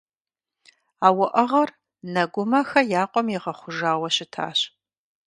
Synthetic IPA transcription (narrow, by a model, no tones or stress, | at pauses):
aːwɐʔɐʁɐr | nɐɡʷʊmɐxɐjaːqʷʼɔmjɪʁɐχʷʊʒaːwɐɕɪtʰa̰ːɕ